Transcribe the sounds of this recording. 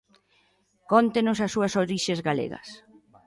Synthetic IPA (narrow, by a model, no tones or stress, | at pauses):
kɔnt̪enʊsasːuɐsoɾiʃezɣalḛɣɐ̰s